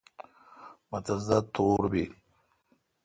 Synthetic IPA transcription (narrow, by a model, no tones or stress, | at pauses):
mɐt̪ɐzd̪at̪oːɾbi